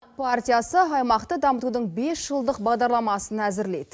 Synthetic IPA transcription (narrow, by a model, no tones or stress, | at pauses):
pʰart̪ʲijasəɑjmɑqt̪əd̪ɑmət̪ud̪əɴbe̞sʒ̥əlˠd̪əqbɑʁd̪ɑɾlˠɑmɑsənæzɪɾle̞̰d̪ɪ